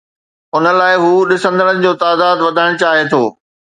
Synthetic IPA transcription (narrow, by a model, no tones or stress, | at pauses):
ʊnə̆laːɪɦuːɗɪsə̃nd̪əɽənɪ̆d͡ʑoːt̪aːd̪aːd̪ʋɐd̪ʱaɪ̃ɽ̃t͡ɕaːɦet̪ʰoː